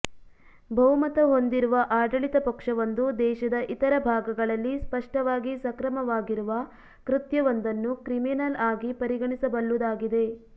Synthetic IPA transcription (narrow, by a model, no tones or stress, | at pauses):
bʱɐʋmɐt̪ɐɦo̞nd̪iɾuʋɐʔaːɖɐɭit̪ɐpɐkʂɐʋɐnd̪ud̪ɛːʃɐd̪ɐʔit̪ɐɾɐbʱaːɡɐɡɐɭɐlːispɐʂʈɐʋaːɡisɐkɾɐmɐʋaːɡiɾuʋɐ | kɾit̪jɐʋɐnd̪ɐnːukɾiminɐlaːɡipɐɾiɡɐɳisɐbɐɭːud̪aːɡid̪e̞